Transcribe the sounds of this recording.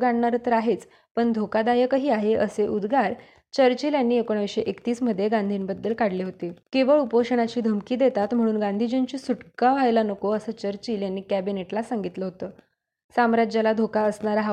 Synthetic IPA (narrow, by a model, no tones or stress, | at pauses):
ɡaɳɳaɾət̪əɾaɦet͡s | pəɳd̪ʱokad̪ajəkəɦiːaɦeʔəseʔud̪ɡaɾ | t͡ɕəɾt͡ɕiːljanːiːekoɳ̃ʋeʂeʔekt̪iːsm̤əd̪ʱːjeɡand̪ʱiːnbəd̪ːəlkaɽliɦot̪ekiʋəɭupoʂəɽ̃at͡ɕiːd̪ʱəmkiːd̪et̪at̪m̤əɽ̃uːnɡãnd̪ʱid͡ʑint͡ɕiːsuʈkaʋajlanəkoəsəːt͡ɕəɾt͡ɕiːljanːiːkæbineʈlasaŋɡit̪ləɦot̪əː | samɾad͡ʑalad̪ʱokaəsɳaɾaɦa